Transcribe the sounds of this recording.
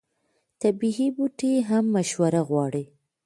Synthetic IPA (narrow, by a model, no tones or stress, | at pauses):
t̪abiɦibuʈeɦamːaʃwaɾaɣwɑɽi